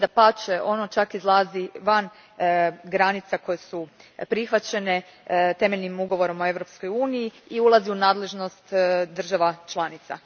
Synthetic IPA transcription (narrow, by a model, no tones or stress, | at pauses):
d̪apat͡ʃeʔo̞no̞t͡ʃakizlˠaːziʋan | ɡɾanit̪sako̞jesupɾixʋat͡ɕe̞ne̞ | t̪e̞me̞ʎnimuɡo̞ʋo̞ɾo̞moe̞ʋɾo̞pskojuːnijiiulˠaziunaːd̪le̞ʒno̞st̪d̪r̩ʒaʋat͡ʃlˠaːnit̪sa̰